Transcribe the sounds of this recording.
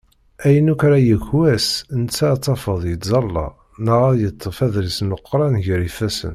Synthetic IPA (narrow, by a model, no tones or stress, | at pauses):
æjənukɾæjəçwæsənt͡sːat͡sˤːɑfəðˤjəd̪zɑlːɑ̰ | nəʁæjət̪ˤːəfæðɾəsnəqːɾˤɑnʝəɾifæsə̰n